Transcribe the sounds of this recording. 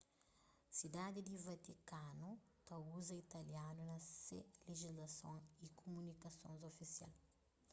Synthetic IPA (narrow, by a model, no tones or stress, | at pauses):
sid̪ad̪id̪ivat̪ikanu | t̪auzɐit̪ɐljanunɐseleʒizlɐsõŋikomunikɐsõ̰nzofisja̰l